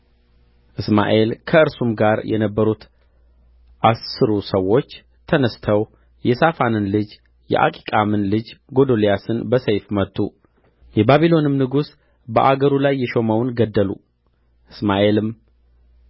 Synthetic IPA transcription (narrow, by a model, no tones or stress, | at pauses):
ʔɨsma̰ʔe̞lkʰəɨɾsumɡaɾjʔɛ̰nəbːəɾut̪ | ʔasɨɾusəwo̞t͡ʃː | t̪ʰənəst̪ʰəw | jɛsafanɨnlɨd͡ʒ | jɛ̰ʔa̰kʼi̥kʼamɨnlɨd͡ʒɡod̪olijasɨnbəsejfmət̪ʼːu | jɛbaβilo̞nɨmnɨɡus | bə̰ʔaɡəɾulajːɛʃo̞məwnɡəd̪ːəlṵ | ʔɨsmaʔe̞lɨm